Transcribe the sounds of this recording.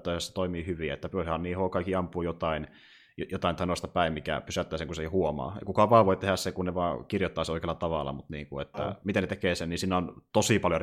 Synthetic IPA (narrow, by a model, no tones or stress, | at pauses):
t̪ːɑˑisesːɑt̪oimiːhyʋiḛt̪ːæpyhhɑnniːhokɑikːiɑmpuːjot̪ɑin | jot̪ɑint̪ɑinoˑst̪ɑpæimmikæ̰pysæt̪ːæːseŋkusehuomɑ̰ːḛkukɑʋɑːʋoit̪ehæssekunneʋɑːkirjot̪ːɑˑːseoikeːlɑt̪ɑʋɑ̰lːˑɑ̰mut̪niːŋkuet̪ːæ̰mit̪enet̪ekeːsenniːsinːæont̪osipɑljor